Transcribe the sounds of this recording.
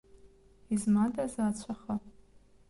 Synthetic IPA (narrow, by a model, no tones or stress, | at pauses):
izmatʼazaːt͡st͡ɕʷʰaχa